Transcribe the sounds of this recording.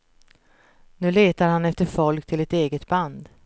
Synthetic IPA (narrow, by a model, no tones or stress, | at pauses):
nʉ̟ːleːt̪aɾhanɛft̪əɾfɔlkt̪ʰɪlɛt̪eːɡət̪band̪